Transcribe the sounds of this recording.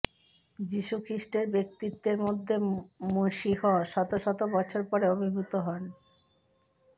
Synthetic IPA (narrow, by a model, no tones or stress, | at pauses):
d͡ʑiʃukʰɾiʃʈeɾbek̚t̪it̪ːeɾmod̪ʱːemoʃihɔʃɔt̪oʃɔt̪obɔt͡ɕʰoɾpɔɾeobʱibʱut̪oɦɔn